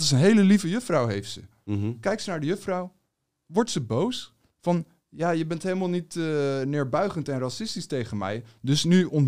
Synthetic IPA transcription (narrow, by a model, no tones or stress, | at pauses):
tɪsənɦejləlivəjɵfrɑwɦejftsə̰ | kɛjksənaːɹdəjøfrɔw | ʋɔɹtsəbows | fɑn | jaːjəbɛntɦejləmalˠnitːnɪːɹbœɥχəntɛnrɑsɪstistejχənmɛ̰jdɵsnyɔn